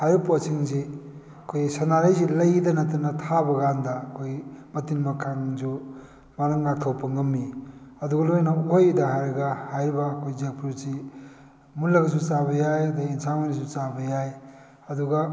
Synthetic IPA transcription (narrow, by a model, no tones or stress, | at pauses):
hajɾiposiŋzi | ɐkʰojsɐnaɾajzilɐjdɐnɐtɐnɐtʰabɐɡandɐkʰojmɐtinmɐkʰaŋzu | manaŋːak̚tʰɐwpɐŋɐmːiɐduɡɐlojnɐujdɐɦajɾɐɡɐhajɾibɐːkʰojzek̚pʰuɾsi | munlɐɡɐs̬ut͡ʃabɐjajɐdainsamanisut͡ʃabɐjaj | ɐduɡɐ